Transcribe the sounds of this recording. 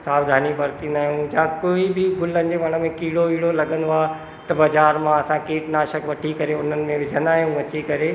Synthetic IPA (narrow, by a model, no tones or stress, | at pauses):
saːʋd̪ʱaːnibɐɾt̪ind̪aːɦijũd͡ʑãːkoːibɪɡʊlənɪ̆d͡ʑeʋɐɽ̃ə̆mẽkiːɽoiːɽolɐɡə̃nd̪oa | t̪ɐbɐzaːɾmãɐsãkeːʈnaːʃəkʋɐʈʰikɐɾeʊn̤ənɪ̆mẽʋɪd͡ʑʱə̃nd̪aːɦijũʋɐt͡ɕikɐɾe